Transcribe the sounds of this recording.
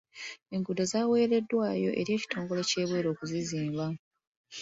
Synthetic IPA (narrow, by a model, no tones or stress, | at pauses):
e̞ŋɡudo̞zaːwe̞ːɾe̞dːwaːjo̞ʔe̞ɾie̞ːci̥to̞ːŋɡo̞le̞ce̞ːβwe̞ːɾo̞ːkuziziːmba